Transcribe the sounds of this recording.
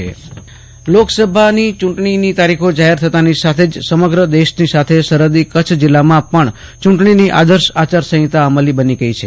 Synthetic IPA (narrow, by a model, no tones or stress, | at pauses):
ḛ | loksəbʱanit͡ʃũɳʈɳinit̪aɾikʰod͡ʒaɦeɾt̪ʰət̪anisat̪ʰed͡ʒsəməɡɾəd̪eʃnisat̪ʰesəɾəd̪ikət͡ʃʰd͡ʒɪlːamãpəɳ | t͡ʃũɳʈɳiniʔa̰d̪əɾʃat͡ʃaɾsə̃ɦĩt̪aəməlibəniɡəit͡ʃʰe